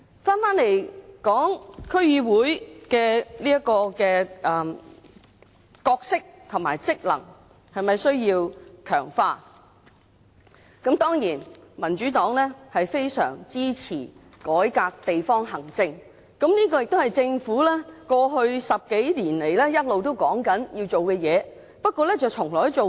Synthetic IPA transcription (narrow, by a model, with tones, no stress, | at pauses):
faː˥nfaː˥nle˨˩jkɔː˨˥ŋkʰɵ˥ɥjiː˧wuː˨˥jkɛː˧liː˥jɐ˥kɔː˧kɛː˧ʔɐ˨˩ | kɔː˧k̚sɪ˥k̚t̪ʰʊ˨˩ma̰ː˨˩jt͡sɪ˥k̚lɐ̰˨˩ŋ | hɐ˨jmɐ˨jsɵ˥ɥjiː˧wkʰœ̰ː˨˩ŋfaː˧ | kɐ˨˥mt̪ɔː˥ŋjiː˨˩nmɐ˨˩nt͡ʃyː˨˥t̪ɔː˨˥ŋlɛː˥hɐ˨jfe˥jsœ̰ː˨˩ŋt͡siː˥t͡sʰiː˨˩ | kɔː˨˥jkaː˧k̚t̪e˨jfɔː˥ŋɦɐ˨˩ŋt͡sɪ˧ŋ | kɐ˨˥mniː˥k̬ɔː˧jɪ˨k̚t̪o˥hɐ˨˩jt͡sɪ˧ŋfuː˨˥lɛː˥kɔː˧ɦɵ˧ɥsɐ˨p̚ke˨˥jliː˨˩nle˨˩jlɛː˥jɐ˥t̚lo˨wt̪̬o˥wkɔː˨˥ŋkɐ˨˥njiː˧wt͡so˨wkɛː˧jɛː˨˧ | pɐ˥t̚kʷːɔː˧lɛ˥t͡sɐ˨wt͡ʃʰʊ˨˩ŋlɔː˨˩jt͡so˨